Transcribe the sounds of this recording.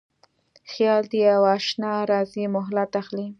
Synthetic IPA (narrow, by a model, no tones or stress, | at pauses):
xjɑld̪iawɑʃnɑɾɑzemʊɦlat̪axli